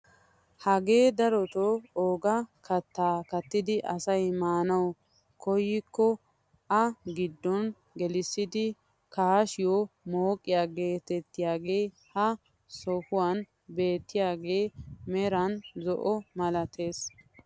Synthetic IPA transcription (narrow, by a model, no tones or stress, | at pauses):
hɐɡe̞ːd̪ɐɾɔt̪ɔoːɡɐkʰɐt̪ːaːkɐt̪ːɪd̪ɪʔɐsɐjmaːnɐw | kɔjːɪkːɔ | ɐɡɪd̪ːɔn | ɡɛlɪsːɪd̪ɪ | kɐaʃɪjɔmoːkʼːɪjaːɡe̞ːt̪ɛt̪ːɪjaːɡe̞ː | hɐ | sɔhʊwan | be̞ːt̪ːɪjaːɡe̞ːmɛɾɐnzɔʔɔmɐlɐt̪ʰe̞ːs